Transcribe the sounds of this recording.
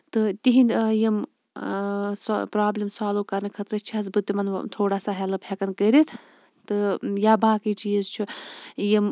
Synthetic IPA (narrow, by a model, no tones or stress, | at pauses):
t̪ɨt̪iɦinjim | spɾaːblʲimsaːluːkɐɾnɨkʰɐt̪ɾɐt͡ʃʰiɐs̬bɨt̪ːimɐnt̪ʰoːɽaːsaɦɛlɨpʰekɐnkəɾit̪ʰ | t̪ɨjaːbaːkit͡ʃiːzt͡ʃʰujim